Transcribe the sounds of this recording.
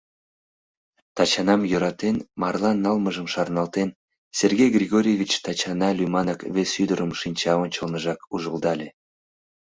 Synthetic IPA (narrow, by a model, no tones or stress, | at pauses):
t̪ɑt͡ɕɑnɑmjøɾɑt̪enmɑrlˠɑnːɑlməʒəmʃɑrnɑlˠt̪en | sʲerɡʲejɡrʲiɣoɾʲijevʲit͡ɕt̪ɑt͡ɕɑnɑlʲymɑnɑkvesyd̪əɾəmʃinʲt͡ɕɑonʲt͡ɕəlnəʒɑkuʒəld̪ɑlʲe